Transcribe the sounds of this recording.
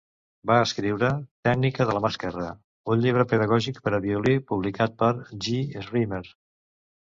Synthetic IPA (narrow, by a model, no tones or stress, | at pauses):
baəskɾiwɾət̪ɛɡnikəðələməskəɾa̰ | uɲʎiβ̞ɾəpəðəɣɔʒikpəɾəβiulipuβlikat̪̚pəɾʒiezriməɾ